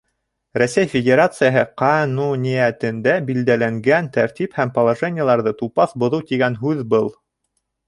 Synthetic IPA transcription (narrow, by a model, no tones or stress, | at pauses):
ræsæjfʲɪdʲeɾat̪sɨjəɦɤqɑnunʲijæt̪ɘ̆nd̪æbild̪ælæŋɡænt̪æɾt̪ʲiphæmpɐlˠaʐenʲɪjəlˠɑɾðɤt̪upɑθbŏðɤwt̪iɡænɦʉðbɤlˠ